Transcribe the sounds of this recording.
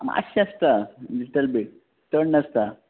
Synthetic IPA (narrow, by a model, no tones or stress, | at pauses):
ma̰ɕaəst̪aliʈəlbiʈ | təɳnəst̪a